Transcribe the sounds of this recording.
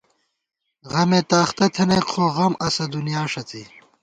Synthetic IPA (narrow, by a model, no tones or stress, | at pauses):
ʁɐmet̪aːxt̪ɐt̪ʰɐneqʰoːɣɐmɐsɐd̪unijaːʂɐt͡si